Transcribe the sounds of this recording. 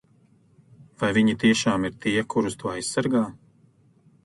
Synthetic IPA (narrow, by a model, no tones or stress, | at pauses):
vajviɲit̪iɛʃaːmiɾt̪iːɛkʰuɾust̪uɔajssaɾɡaː